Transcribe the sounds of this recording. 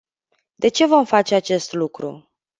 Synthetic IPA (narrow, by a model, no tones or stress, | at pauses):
d̪e̞t͡ʃe̞vo̞mfat͡ʃe̞at͡ʃe̞st̪lukɾṵ